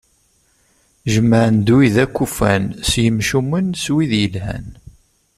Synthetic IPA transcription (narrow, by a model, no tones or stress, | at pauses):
ʒəmːəʕənd̪uwiðækʷːufænsjəmʃumənswiðjəlhæ̰n